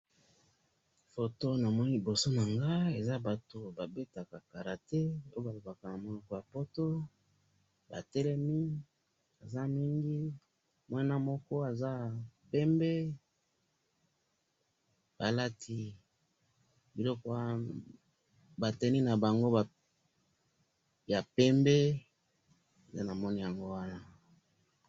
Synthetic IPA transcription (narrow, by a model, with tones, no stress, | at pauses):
fo˨to˦na˨mɔ˦ni˦bo˨so˦na˨ŋɡa˦e˨za˦ba˨to˨ba˨be˦ta˨ka˨ka˨ɾa˨tɛ˦o˦jo˦ba˨lo˨ba˨ka˨na˨mo˨lɔ˨kɔ˨ja˨po˦to˦ | ba̰˨tɛ˦lɛ˦mi˦ | a˨za˦mi˦ŋɡi˦ | mwa˦na˦mɔ˦kɔ˦a˨za˦pɛ˦mbe˦ | b̥a˨la˦tʰi˨ | bi˨lɔ˦kɔ˦ | ba˨tɛ˨ni˦na˨ba˨ŋɡo˦a˨ | ja˨pɛ˦mbe˦ | e˨te˦na˨mɔ˦ni˦ja˨ŋɡo˦wa˦na˦